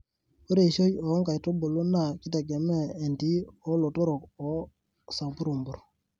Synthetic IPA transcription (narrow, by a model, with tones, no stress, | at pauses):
o˦ɾe˦˨ʃo˦jɔ˨˦ŋka˨jto˦bo˨lu˦na˦˨ki˦te˨ɡe˨mɛː˦˨nti˦ɔ˨˦lo˨tɔ˦ɾo˨kɔ˨ | sa˨mpu˦ɾu˨mbu˨ɾ